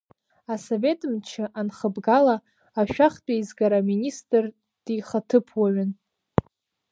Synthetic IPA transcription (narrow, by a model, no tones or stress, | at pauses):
asove̞tʼɨmt͡ʃʰɨʔanχəbɡala | aʃᶣaχtʼajzɡaɾaministʼr | d̥iχatʰɨpʰwaɥɪn